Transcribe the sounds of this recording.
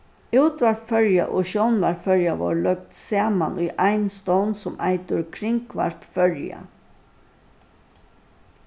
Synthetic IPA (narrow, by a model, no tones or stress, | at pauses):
uwt̪ʋaɾpfœɹja̰ʔoːʃownʋaɾfœɹjaʋo̰ːɹlœk̚t̪saːmanʔʊjʔaɪnst̪ɔwnsʊmaɪt̪ʊɾkʰɾɪŋkʰʋa̰ɹpfœɹja̰